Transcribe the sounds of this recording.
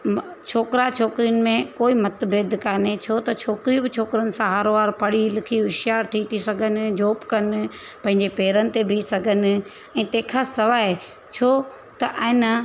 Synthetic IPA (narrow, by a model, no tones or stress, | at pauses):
t͡ʃʰoːkɾat͡ʃʰoːkɾiənɪ̆mẽkoːimɐt̪beːd̪ʱkaːnet͡ɕʰot̪ɐt͡ʃʰoːkɾibɪt͡ʃʰoːkɾənɪ̆sãɦɐɾʋaːɾpɐɽilɪkʰiɦʊʃjaːɾt̪ʰit̪ʰisɐɡʱənɪ̆d͡ʑoːpkɐnɪ̆ | pɐ̃ɦɪ̃ɲd͡ʑepeːɾənɪ̆t̪ebʱisɐɡʱənɪ̆ | ɛ̃ːt̪ẽːkʰasɐʋaːɦe | t͡ɕʰo | t̪ɐʔɛ̃nɐ